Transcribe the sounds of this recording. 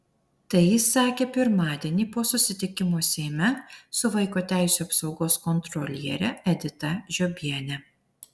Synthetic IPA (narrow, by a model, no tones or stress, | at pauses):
t̪ɐɪjɪsːɑːkʲeːpʲɪɾmɑːd̪ʲiɛnʲiːˑpoːsʊsʲɪt̪ʲɪkʲɪmoːsʲeːmʲɛsʊʋɐɪkoːt̪ʲæˑɪsʲuːɐpsɒʊɡoːskɔnt̪ɾɔlʲiɛ̰ɾʲɛɛd̪ʲɪt̪ɐʒʲɔbʲiɛnʲɛ